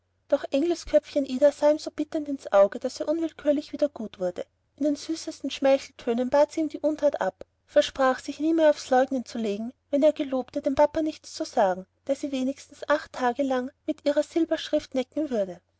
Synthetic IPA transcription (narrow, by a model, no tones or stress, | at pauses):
d̥ɔχʔɛŋɡl̩skʰœp͡fçənʔiːdasaːiːmzoːb̥ɪtəntɪnsʔaʊɡəd̥aseːɐʔʊnvɪlkʰyːɐlɪçv̥iːdɐɡ̥uːtv̥ʊɐdə | ʔɪndeːnzyːsəstn̩ʃmɛçl̩tʰøːnənb̥aːtsiːmdiːʔʊntʰatʔa̰p | fɛɐʃpʁ̥aːχsɪçniːmeːɐaʊfslɔʏɡnənt͡suleːɡŋ̩vɛneːɐɡəloːptədeːmpʰapɐnɪçt͡st͡suzaːɡŋ̩d̥eːɐsiːveːnɪçstn̩sʔaχtʰːaːɡəlaŋmɪtʔiːʁɐz̥ɪlbɐʃʁ̥ɪftnɛkŋ̩vʏɐdə